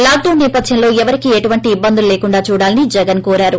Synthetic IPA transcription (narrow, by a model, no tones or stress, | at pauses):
laːkɖɐwnniːpɐt̪jɐmlo̞ːɛʋɐɾikieʈuʋɐɳʈiːbːɐnd̪ulule̞ːkuɳɖaːt͡ʃuːɽaːlinid͡ʒɛɡɐnkoːɾaːɾu